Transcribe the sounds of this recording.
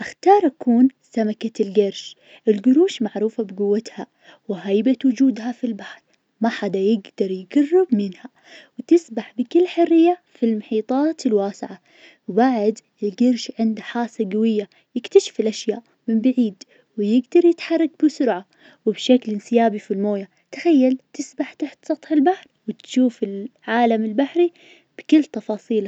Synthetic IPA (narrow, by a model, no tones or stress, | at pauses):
ʔaxt̪ɑːɾˤʔakuːnsamakalɡɑɾˤʃ | ʔɪlɡʊɾuːʃmaʕɾuːfabɪɡʊwːat̪ha | wɪɦajbat̪wʊd͡ʒuːd̪hafilbaħɾˤ | maħad̪ajɪɡd̪ɑɾˤjɪɡɑrːɪbmɪnha | wɪt̪ɪsbaħbɪkɪlːħʊrːɪjːafilmʊħiːt̪ˤɑːt̪ɪlwaːsɪʕa | wbaʕd̪ | ɪlɡɪɾʃʕɪnd̪aħaːsaɡawɪjːa | jɪkt̪aʃɪ̥fɪlʔaʃja̰ːʔ | mɪmbaʕiːd̪ | wɪjɪɡd̪ɑɾˤjɪt̪ħɑrˤːɑɡ̚bɪsʊɾʕa | wɪbʃaklɪnsɪjaːbifilmoːja | t̪ḁxajːalt̪ɪsbaħt̪aħt̪sˤɑt̪ˤħɪlbaħɾˤwɪt̪ʃuːfɪlʕaːlamɪlbaħɾi | b̥ɪkɪlːt̪ɑfɑːsˤiːl